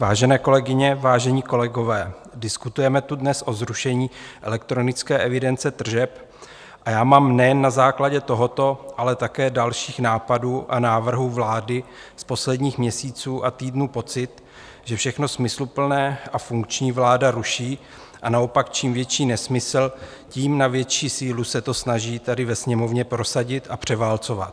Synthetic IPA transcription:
vaːʒɛnɛːko̞lɛɡɪɲɛvaːʒɛɲiːko̞lɛɡo̞vɛː | dɪskut̪ujɛmɛt̪udnɛsʔo̞zɾuʃɛɲiːʔɛlɛk̚t̪ɾo̞nɪt͡skɛːʔɛvɪdɛnt͡sɛt̪r̩ʒɛp | ʔajaːmaːmnɛjɛnːazaːklaɟɛt̪o̞ɦo̞t̪o̞ʔalɛt̪akɛːdalʃiːxnaːpaduːʔanaːvr̩ɦuːvlaːdɪspo̞slɛdɲiːxmɲɛsiːt͡suːʔat̪iːdnuːpo̞t͡sɪt̪ | ʒ̥ɛfʃɛxno̞smɪslupl̩nɛːʔafuŋk̚t͡ʃɲiːvlaːdaɾuʃiː | ʔanao̞pak̚t͡ʃiːmvjɛt͡ʃiːnɛsmɪsl̩ | ciːmnavjɛt͡ʃiːsiːlusɛt̪o̞snaʒiːt̪adɪvɛsɲɛmo̞vɲɛpɾo̞saɟɪt̪ʔapr̝̥ɛvaːlt͡so̞va̰t̪

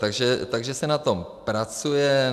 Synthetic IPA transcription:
t̪aɡʒɛt̪aɡʒɛsɛnat̪ompɾat͡sujɛ

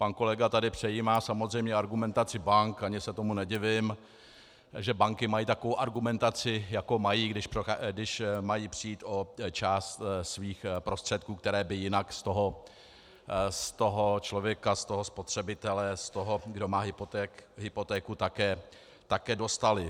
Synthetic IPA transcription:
panko̞lɛɡat̪adɪpr̝̥ɛjiːmaːsamozr̝ɛjmɲɛaɾɡumɛnt̪at͡sɪbaŋkaɲɪsɛt̪o̞munɛɟɪvɪm | ʒɛbaŋkɪmajiːt̪akovowʔaɾɡumɛnt̪at͡sɪjako̞majiːɡdɪʃpoxɡdɪʃmajiːpr̝̥ɪjiːt̪ʔo̞t͡ʃaːst̪sviːxpɾo̞st̪r̝̥ɛt̪̚kuːk̚t̪ɛɾɛːbɪjɪnakst̪oɦo | st̪o̞ɦot͡ʃlo̞vjɛkast̪o̞ɦo̞spo̞t̪r̝̥ɛbɪt̪ɛlɛst̪oɦoɡdo̞maːɦɪpt̪ɛɦɪpo̞t̪ɛːkut̪akɛː | t̪akɛːdo̞st̪alɪ

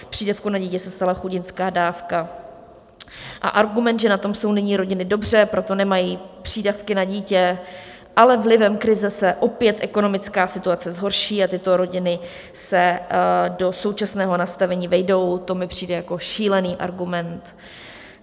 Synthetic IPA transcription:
spr̥iːdafkunaɟiːcɛsɛst̪alaxuɟɪnskaːdaːfka | ʔa̰ʔaɾɡumɛnd̪ʒɛnat̪o̞mso̞wnɪɲiːɾo̞ɟɪnɪdo̞br̝ɛpɾo̞t̪o̞nɛmajiːpr̝̥iːdafkɪnaɟiːcɛ | ʔalɛvlɪvɛmkɾɪzɛsɛʔo̞pjɛt̪ʔɛko̞no̞mɪt͡skaːsɪt̪uat͡sɛzɦo̞ɾʃiːat̪ɪt̪o̞ɾo̞ɟɪnɪ | sɛ | do̞so̞wt͡ʃasnɛːɦo̞nast̪avɛɲiːvɛjdo̞wt̪o̞mɪpr̝̥iːdɛjako̞ʃiːlɛniːʔa̰ɾɡumɛnt̪

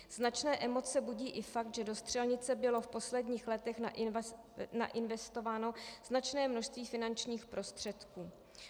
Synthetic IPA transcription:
z̥nat͡ʃnɛːʔɛmo̞t͡sɛbuɟiːʔɪfak̚t̪ʒɛdo̞st̪r̝̥ɛlɲɪt͡sɛbɪlo̞fpo̞slɛdɲiːxlɛt̪ɛxna | na̰ʔɪnvɛst̪o̞vaːno̞z̥nat͡ʃnɛːmno̞ʃst̪viːfɪnant͡ʃɲiːxpɾo̞st̪r̝̥ɛt̪kuː

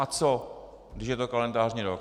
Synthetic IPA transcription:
at͡so | ɡdɪʃjɛt̪okalɛndaːrɲiɾok

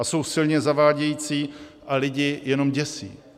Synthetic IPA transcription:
aso̞wsɪlɲɛzavaːɟɛjiːt͡siːʔalɪɟɪjɛno̞mɟɛsḭː

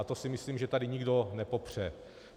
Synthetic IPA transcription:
t̪osɪmɪsliːmʒɛt̪adɪɲiɡdo̞nɛpo̞pr̝̥ɛ

